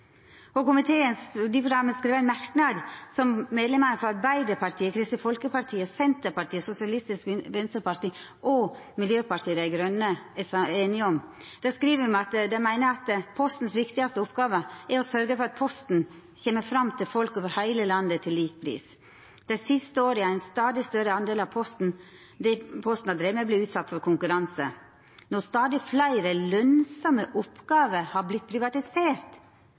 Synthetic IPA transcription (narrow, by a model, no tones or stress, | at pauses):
ɔkʊmɪt̪ʰeːənsd̪ɪʊɡɑmənskɾeːʋəæɪnmæɾknɑd̪sɔmmeːd̪lɛmənəfɾɑɑɾbæɪd̪əɾpʰɑɾʈ̪ʰiːəkʰɾɪst̪ɪfɔlkəpɑɾʈʰiːəsɛnt̪əpɑʈiːəsʊsɪɑlɪst̪ɪskʋʋɛnst̪əɾpɑɾʈ̪iː | ʔɔ | mɪljøːpʰɑɾʈ̪ʰiːəd̪æɪɡɾœnːəeːnɪɔmd̪̥ɛskɾiːʋəmɛɑt̪d̪ɛɪmæɪnəɑt̪pʰɔst̪n̩sʋɪkt̪ɪɡɑst̪əʊpɡɑːʋəæɾɔsœɾɡəfɔɾɑt̪̚pʰɔst̪n̩ | çeːməɾfɾɑmːt̪ʰɪlfɔlkoːʋəɾhæɪləlɑnd̪ət̪ʰɪlːiːk̚pʰɾḭːs | d̪̥ɛɪsɪst̪əoːɾəæɪnst̪ɑːd̪ɪst̪œɾəɑnd̪eːlɑʋpʰɔst̪n̩ | d̪ɛpʰɔst̪n̩ɑd̪ɾeːməbliːʉːt̪sɑt̪ːfɔɾkʰʊŋkʉɾɑnsə | nɔst̪ɑːd̪ɪflæɪɾəlœnsɔməʔɔpɡɑːʋəhɑɾblɪt̪̚pʰɾɪʋɑt̪ɪseːɾt̪